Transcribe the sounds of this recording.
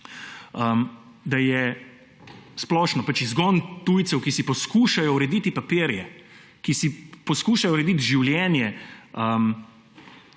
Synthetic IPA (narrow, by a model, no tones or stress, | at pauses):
əm | d̪ajɛ | splɔːʃnɔpat͡ʃizɡɔnt̪uːjt̪sɛwkisipɔskuːʃajɔuɾɛd̪iːt̪ipapeːɾjɛ | kisipɔskuːʃajɔɾɛd̪it̪ʒiwljɛːnjɛəm